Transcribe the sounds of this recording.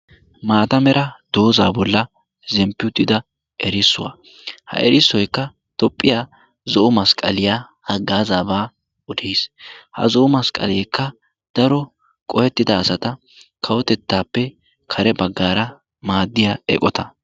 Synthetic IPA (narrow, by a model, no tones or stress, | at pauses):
maːt̪ɐmɛɾʔɐd̪̥o̞ːzaːbɔlːɐ | zɛmpːɪʊd̪ːɪd̪ɐ | ʔɛɾɪsːʊ̰wa̰ | hɐ̰ʔɛɾɪsːɔjkːɐ | t̪ɔpʼːɪjaː | zɔʔʊmɐskʼɐ̰lɪjaː | hɐɡːaːzaːbaː | ʊd̪eːshɐ̰zɔʊmɐskʼɐ̰lɛːkʰːɐ | d̪̥ɐɾɔ | kʼɔhɛt̪ːɪd̪ɐːsɐt̪ɐ | kʰɐwɔt̪ɛt̪ːaːpːɛ | kʰɐɾɛbɐɡːaːɾɐ | maːd̪ːɪjaːɛ̰kʼɔt̪ɐ